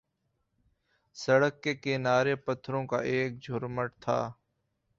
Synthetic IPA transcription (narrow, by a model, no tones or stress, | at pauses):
səɽəkːeːkeːnaːɾeːpət̪ʰɾõːka̰ːʔeːk̚d͡ʒʱʊɾməʈt̪ʰa̰ː